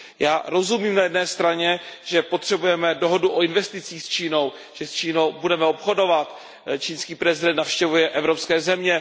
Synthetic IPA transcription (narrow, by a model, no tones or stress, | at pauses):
jaːɾo̞zumiːmnajɛdnɛːst̪ɾaɲɛʒ̥ɛpot̪r̝̥ɛbujɛmɛdo̞ɦoduʔoɪnvɛst̪ɪt͡siːxst͡ʃiːno̞w | ʒ̥ɛst͡ʃiːnowbudɛmɛo̞pxo̞do̞vat̪ | t͡ʃiːnskiːpɾɛzɪdɛnt̪nafʃcɛvujɛʔɛvɾo̞pskɛːzɛmɲɛ